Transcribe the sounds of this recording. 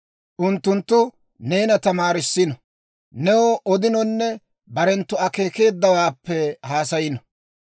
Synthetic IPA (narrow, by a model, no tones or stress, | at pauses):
ʔʊnt̪ːʊnt̪ːʊ | ne̞ːnɐt̪ɐmaːɾɪsːɪnɔ | nɛwɔʔɔd̪ɪnɔnːɛ | bɐɾɛnt̪ːʊɐke̞ːke̞ːd̪ːɐwaːpːɛhaːsɐjɪnɔ